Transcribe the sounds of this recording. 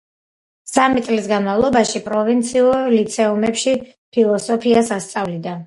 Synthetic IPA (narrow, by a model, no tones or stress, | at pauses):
samit̪ʼlisɡanmavlˠɔbaʃipʼɾɔvint̪sʰiuɾlit̪sʰɛɔmɛpʃi | pʰilˠɔsɔpʰiasast̪sʼavlid̪a